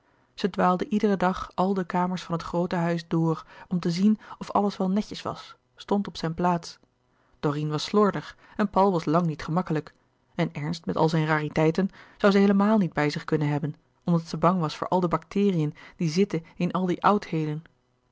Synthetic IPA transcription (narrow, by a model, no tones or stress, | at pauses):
z̥ədʋaːlˠdəʔidərədɑχʔɑlˠdəkaːməɹsfɑnətχrowtəɦœɥzdʊːrɔmtəzinɔfɑ̰ləsʋɛlˠnɛcəsʋɑ̰s | stɔntɔpsɛjnplaːts | d̥ɔrinʋɑslɔɹdəχ | ɛnpɑlˠʋɑslɑŋnitχəmɑkələk | ɛnɛɹnstmɛtɑ̰lˠzɛjnraːritɛjtənz̥ɑwzəɦeləmaːlˠnid̚bɛjzɪχkɵnənɦɛbən | ɔmdɑtsəbɑŋʋɑsfʊ̰ːɹʔɑ̰lˠdəbɑk̚tɪːrijənd̥izɪtəɪnɑlˠdiʔʌwthejdən